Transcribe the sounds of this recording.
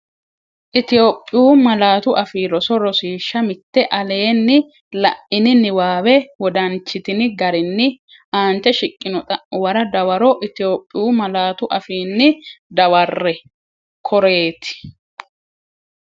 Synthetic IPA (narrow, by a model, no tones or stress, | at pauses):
ʔɪt̪ɪjoːpʼːɪjuːmɐlaːt̪ʊʔɐfiːɾɔsɔɾɔsiːʃːɐmɪt̪ːɛʔɐle̞ːnːɪ | lɐ̰ʔɪnɪnɪwaːwɛwɔd̪ɐnt͡ʃːɪt̪ɪnɪɡɐɾɪnːɪ | aːnt͡ʃːɛʃɪkʼːɪnɔt̪ʼɐwɐɾɐd̪ɐwɐɾɔʔɪt̪ɪjoːpʼːɪjuːmɐlaːt̪ʊʔɐfiːnːɪd̪ɐwɐrːɛ | kʰɔɾe̞ːt̪ɪ̥